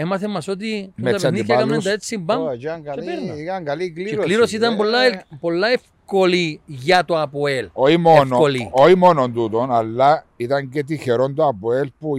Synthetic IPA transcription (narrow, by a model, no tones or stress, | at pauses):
emɐθemːɐsot̪̬it̪ɐniθçɐkɐmend̪ɐet̪simbɐmŋɡɐepenɐkɐŋɡɐliklieliɾosit̪ɐmbolːɐpolːɐefkoliʝɐt̪oɐpoeloimoenoolioimonond̪ut̪onalːɐit̪ɐŋcet̪̬içeɾond̪oɐpoelpu